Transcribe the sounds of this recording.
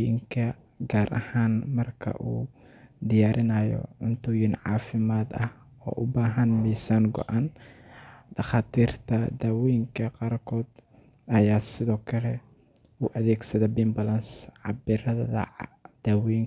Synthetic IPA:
ɪŋkʰɐ | ɡaːɾʔɐ̰haːnmɐrkʰɐ̰ʔuː | d̪ɪjaːɾʔɪnaːjɔ̰ʕʊnt̪ʰʊːjɪnʕɑ̰ːfɪmaːd̪ɐh | ɔ̰ːʔʊbaːɦɐnmiːsaːŋɡɔ̰ʔaːn | ɖɑχaːt̪ʰiːrt̪ʰɐd̪aːwɛjɪŋkʰɐqɑːrkʰɔːd̪ | ɐjaːsɪðɔːkʰɐlɛ | uːʔɐðɛːɡsɐðɛbɪmbɐlɐnsʕɑ̰bɪɾɐðɐðɐ̰d̪̥aːwɛŋ

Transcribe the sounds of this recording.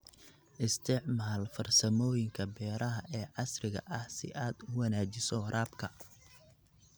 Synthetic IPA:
ʔɪst̪ʰɪʕmaːlfɐrsɐmɔːjɪŋkʰɐbɛːɾʔɐɦɐʔɛːʕɑsrɪɣɐ̰ʔɐhsɪ̰ʔaːd̪ʊwɐnaːt͡ʃɪsɔɾaːbkʰɐ

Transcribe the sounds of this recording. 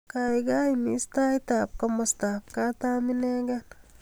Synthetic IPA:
kajɡajmist̪ajt̪ap̚kɐmɔst̪ap̚kat̪aːminɛɡan

